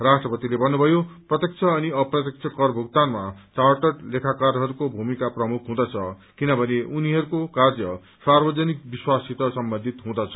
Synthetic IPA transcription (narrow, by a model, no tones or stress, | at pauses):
rasʈrʌpʌt̪ilebʱʌnːubʱʌjoprʌt̪jekt͡sʰʌːniʌprʌt̪jek̚t͡sʰʌkʌrbʱuɡt̪anmat͡saʈʌʈlekʰakaɾɦʌɾukobʱumikaprʌmukʰɦũd̪ʌt͡sʰʌ | kinʌbʱʌneʔuniɦʌɾukokarjʌ | sarbʌd͡zʌnik̚biswasit̪ʌsʌmbʌnd̪ʱit̪ɦũd̪ʌt͡sʰʌ̥